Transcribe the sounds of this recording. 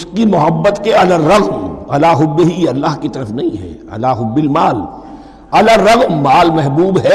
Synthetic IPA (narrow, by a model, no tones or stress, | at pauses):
ʊskimʊɦəbːət̪keɐləɾːɐɣmɐlaːɦʊbːɪɦiɐlːaːɦkit̪ɐɾəfnɐɦĩɦɛ̰ːɐ̰laːɦʊbːɪlmaːl | ɐləɾːɐɣmːaːlmɛɦbuːbɦɛː